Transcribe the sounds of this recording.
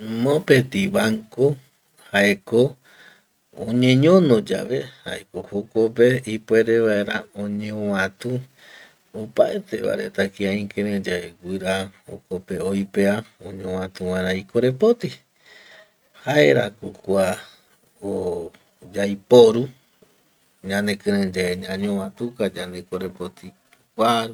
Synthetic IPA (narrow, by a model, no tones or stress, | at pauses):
mõpet̪iβaŋko | haeko | õ̰ɲẽɲõnõd͡ʒa̰ʋeha̰ekohokopeipweɾeβaeɾaõɲẽwãt̪ũ | opaet̪eβa̰ɾet̪akiaĩkeɾẽd͡ʒaeɡʷɨɾao̰kopeojpeaõɲẽwãt̪ũwãeɾãikoɾepot̪i | haeɾakokʷa | o | d͡ʒajpoɾu | ɲãnd̪ekɨ̃ɾẽd͡ʒeɲãɲõwãt̪ukad͡ʒand̪ekoɾepot̪i | kʷaɾu